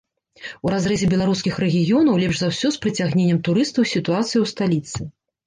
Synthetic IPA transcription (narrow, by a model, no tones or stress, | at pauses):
uɾazɾɛzʲɛbʲɛlˠaɾuskʲixɾɛɣʲijɔnɐwlʲɛpʐzawsʲɔspɾɨt͡sʲaɣnʲenʲːɐmt̪uɾɨst̪ɐwsʲit̪uat̪sɨjiwst̪alʲit̪sɨ